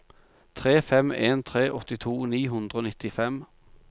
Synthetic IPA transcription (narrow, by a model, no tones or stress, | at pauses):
t̪ʰʁeːfɛmeːnt̪ʰʁeːʔɔt̪ɪt̪ʰuːniːɦʉnd̪ʁəoːnɪt̪ɪfɛm